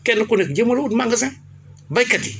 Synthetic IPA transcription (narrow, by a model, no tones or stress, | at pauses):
kenukunikd͡ʒemuludmaŋɡəza | bakati